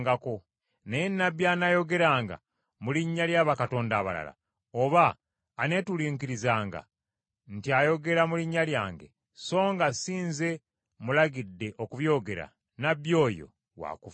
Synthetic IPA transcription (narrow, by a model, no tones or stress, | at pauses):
ɡako̞ | neenːabjaːnajo̞ɡe̞ɾaːŋɡa̰ | muliɲːaljaːβakato̞ːndaːβa̰la̰la̰ | oβaː | ne̞tuliŋkiɾizaːŋɡa̰ | ntiajo̞ɡe̞ɾamuliɲːaljaːŋɡe̞̰ | so̞ːŋɡasiːnze̞ | mulaɡidːe̞ʔo̞kuβjo̞ːɡe̞ɾa̰ | nabjo̞ːjo̞̰ | wa̰kuf